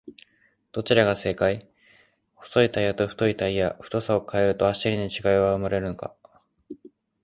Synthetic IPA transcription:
d̪̥o̞t͡ɕiɾaɡase̞ːkai | ho̥so̞it̪aijat̪o̞ɸɯ̟̥t̪o̞it̪aijaɸɯ̟̥t̪o̞sao̞kʰae̞ɾɯ̟t̪oaɕiɾʲiɲit͡ɕiɡaiβaɯ̟maɾe̞ɾɯ̟noka̰

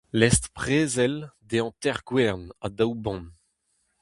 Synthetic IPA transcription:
lɛst̪pχeːzɛld̪eɑ̃t̪ɛʁɡwɛʁnad̪awbɔ̃n

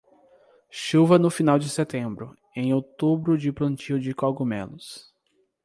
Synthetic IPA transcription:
ʃuvɐnʊfinawd͡ʒɪset̪ẽmbɾʊ̰ | ẽj̃owt̪ubɾʊd͡ʒɪplɐ̃nt͡ʃiwd͡ʒɪkɔɡomḛ̃lʊs

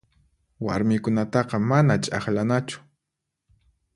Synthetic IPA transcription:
wa̰ɾmɪkʊnat̪ɑqɑmanat͡ʃʼaχlanat͡ʃʊ̥

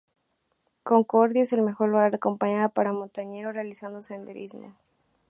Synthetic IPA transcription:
ko̞ŋkoɾðjese̞lme̞xo̞ɾluɣaɾako̞mpaɲaðopaɾamont̪aɲe̞ɾorealisand̪o̞se̞nd̪eɾʔizmo̰

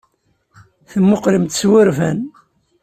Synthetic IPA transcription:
θəmːoqɾimt̪swəɾvæn

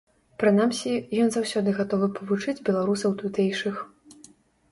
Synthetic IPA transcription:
pɾɨnamsʲijɔnzawsʲɔd̪ɨɣat̪ɔvɨpɐvut͡ʂɨd͡zʲbʲɛlˠaɾusɐwt̪ut̪ɛjʂɨx

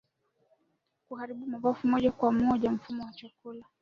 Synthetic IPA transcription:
kuhaɾiɓumavafumɔʄakwamɔʄam̩fumɔwat͡ʃakula

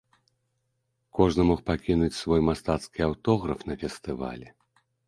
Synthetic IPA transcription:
kɔʐnɨmɔxpakʲinut͡sʲsvɔjmast̪at̪skʲiawt̪ɔɣɾɐfn̪ɐfʲɛst̪ɨva̰lʲɛ

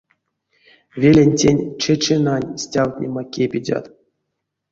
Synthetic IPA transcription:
vʲelʲenʲtʲenʲt͡ʃet͡ʃenanʲsʲtʲawt̪ʲnʲemakʲepʲidʲa̰t̪

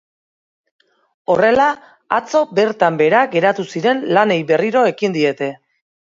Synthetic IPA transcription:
o̞re̞laː | t͡so̞be̞ɾt̪ambe̞ɾaɡe̞ɾat̪usiɾe̞nlane̞jbe̞riɾo̞e̞kind̪ie̞t̪e̞

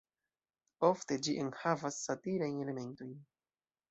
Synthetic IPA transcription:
o̞fte̞d͡ʒiʔe̞nhavasːatiɾajne̞le̞me̞nto̞jn

